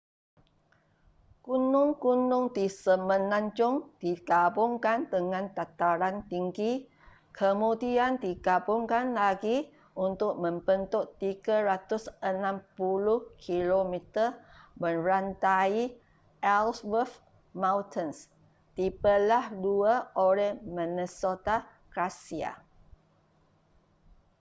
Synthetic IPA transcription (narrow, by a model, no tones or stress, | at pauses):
kunʊŋkunʊŋd̪isəmə̃nãɲt͡ʃʊŋdikabʊŋkand̪əŋãnt̪at̪aɾant̪iŋɡi | kʰəmudiandiɡabʊŋkanlaɡi | unt̪ʊʔ̚mə̃mbənt̪ʊtt̪iɡəɾat̪ʊsənãmpuluhkʰilomit̪əmə̃rant̪ai | ʔɛlswəf | mãwt̪əns | t̪ipəlahduaoɾɛhmĩnəsot̪a | kɾasia̰